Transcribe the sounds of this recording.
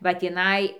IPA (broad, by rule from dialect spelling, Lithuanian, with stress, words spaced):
ʋɐ tʲiːˈnɐɪ